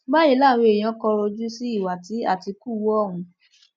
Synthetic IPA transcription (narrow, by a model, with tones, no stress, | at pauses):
bã˦ĩ˨˦la˦˨w̃i˧e˨j̃ã˨˦kɔ˧ɾo˧d͡ʒu˦si˦i˦˨wa˨ti˨˦a̰˦˨ti˧ku˦˨wɔ˦˨wũ˧˦